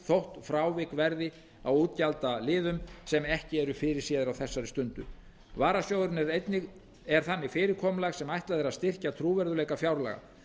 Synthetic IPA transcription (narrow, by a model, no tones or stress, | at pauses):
θowht̪fɾaːwvɪkvɛɾðɪ | awuːt̪̚calt̪alɪːðʏmsɛmɛhcɪɛɾʏfɪːɾɪ̥siːðɪɾawθɛsːaɾɪst̪ʏnt̪ʏ̰ | vaːɾasjowðɾɪnɛɾejt̪nɪɣ | ɛɾ̥θanːɪfɪːɾɪɾkʰɔːmlaɣsɛmajht̪laðɪɾaðst̪ɪr̥cat̪ʰɾuːvɛɾðʏleːjkafjawɾla̰ɣa̰